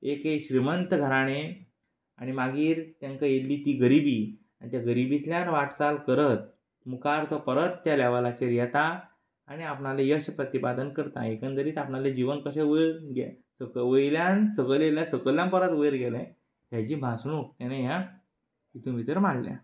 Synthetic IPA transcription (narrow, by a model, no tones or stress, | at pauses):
ekeɕɾimənt̪əɡʱəɾaɽ̃e | aɽ̃imaɡiːɾt̪jãŋkajelːiːt̪iːɡəɾibiː | aɽ̃it̪jaɡəɾibit̪ljanʋaʈsalkəɾət̪̚ | mukaɾt̪ʰəpəɾət̪ːjalaʋalat͡ɕeɾjɛt̪aː | ɽ̃iapɳalejəɕpɾət̪ipad̪ənkəɾt̪a̰ekə̃nt̪əɾiːt̪apnaled͡ʑiʋənkəɕeʋəɡɛ | səkʋəjljãnsəɡəleljãsəkəljãmpəɾət̪ʋəjɾɡɛlɛ̃ | ɦjat͡ɕiːbʱasnukt̪janeɦja | kit̪ũmit̪əɾmaɽlja̰